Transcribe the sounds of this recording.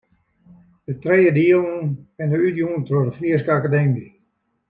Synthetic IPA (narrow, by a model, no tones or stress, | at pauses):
d̥ətrejədiəlˠːnɛndəytjuːntrodəfliəskəakademi